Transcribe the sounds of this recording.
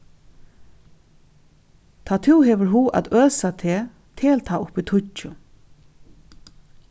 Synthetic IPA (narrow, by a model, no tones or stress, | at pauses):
t̪ʰaːt̪ʰuwɦɛːʋəɹɦuːʔa̰t̪øːsat̪ʰeː | t̪ʰeːlt̪ʰaːʊpit̪ʰʊt͡ʃʊ